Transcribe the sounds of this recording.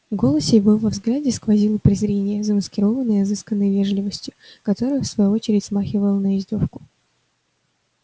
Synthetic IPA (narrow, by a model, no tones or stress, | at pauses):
ɡo̞lˠəsʲejbɨlˠvɐvzɡlʲædʲɪskvɐzʲilˠəpɾʲɪzɾʲenʲɪjəzəməskʲɪɾo̞vənːəjɐzɨskənːəjvʲe̞ʐlʲɪvəsʲtʲjʊkɐt̪o̞ɾɨjəfsvɐjuo̞t͡ɕɪɾʲɪtʲsmaxʲɪvəlˠənəɪzʲd̪ʲo̞fkʊ̥